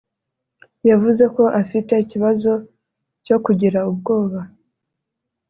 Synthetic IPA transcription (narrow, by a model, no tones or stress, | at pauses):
javuze̞ko̞ʔafite̞iciβazo̞ | co̞kuɟiɾaub̚ɡo̞ːβa